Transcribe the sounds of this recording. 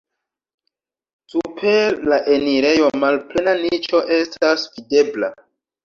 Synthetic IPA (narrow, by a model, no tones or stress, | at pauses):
supʰe̞laʔe̞niɾe̞jo̞malple̞nanit͡ʃo̞ʔe̞stasvide̞bla̰